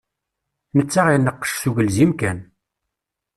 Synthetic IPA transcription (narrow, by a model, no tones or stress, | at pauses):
nət͡sːaʁinːəqːə̥ʃsuʝəlzimkæn